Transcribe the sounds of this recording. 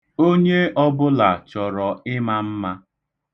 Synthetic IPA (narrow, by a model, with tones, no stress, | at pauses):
o˦ɲe˦ʔɔ˦bʊ˦la˨t͡ʃɔ˨ɾɔ˨ɪ˦ma˦m̩˦ma˦